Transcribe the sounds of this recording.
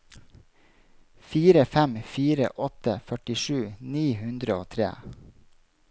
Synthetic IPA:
fiːɾəfɛmfiːɾə̰ʔɔt̪əfœʈɪʃʉːniːhʉnd̪ɾəoːt̪ʰɾḛː

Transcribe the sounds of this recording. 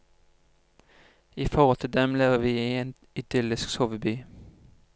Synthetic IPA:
iːfɔʁɔlt̪ʰɪld̪ɛmleːʋəʋiːieːn | ɪd̪̥ʏlɪsksɔʋəbyː

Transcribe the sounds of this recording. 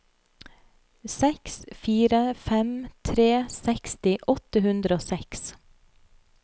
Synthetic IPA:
sɛksfiːɾəfɛmt̪ʰɾeːsɛkst̪ɪʔɔt̪əhʉnd̪ɾəoːsɛks

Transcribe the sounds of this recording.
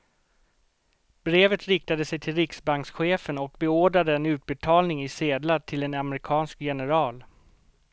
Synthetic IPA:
bɾeːvət̪ɾɪk̚t̪ad̪əsɛjt̪ʰɪlɾɪksbaŋksɧeːfənɔk̚bɛoːɖɾad̪əɛnʉ̟ːt̪̚bɛt̪ʰɑːlnɪŋɪseːd̪laʈʰɪlɛnamɾɪkʰɑːnskjɛnəɾɑːl

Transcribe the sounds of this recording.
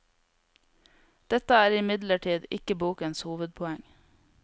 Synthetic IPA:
d̪̥ɛt̪əæːɾɪmɪd̪ləʈʰiːd̪ɪkəbuːkənshuːʋəd̪̚pʰɔɛŋ

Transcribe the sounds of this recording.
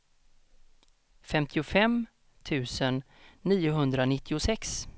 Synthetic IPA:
fɛmt̪ʰɪʊfɛm | t̪ʰʉ̟ːsənː | iːʊɦɵnd̪ɾanɪt̪ʰːɪʊsɛks

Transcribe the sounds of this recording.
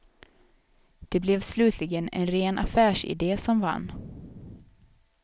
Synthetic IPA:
d̪̥ɛblɛvslʉ̟ːt̪ʰlɪɡənɛ̰nɾeːnʔa̰fæːʂɪ̰d̪eːsɔmva̰nː

